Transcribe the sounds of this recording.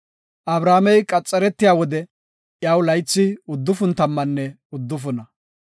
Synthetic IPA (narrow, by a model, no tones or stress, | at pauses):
ʔɐbɾaːmɛjkʼɐt͡sʼːɛɾɛt̪ːɪjaːwɔd̪ɛ | ʔjaːwlɐjt͡sːɪʊd̪ːʊfʊnt̪ɐmːɐnːɛ | ʊd̪ːʊfʊnɐ